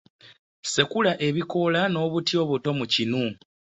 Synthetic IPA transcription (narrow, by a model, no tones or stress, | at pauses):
sekulaʔe̞βiko̞lano̞ːβutjo̞ːβuto̞mucinu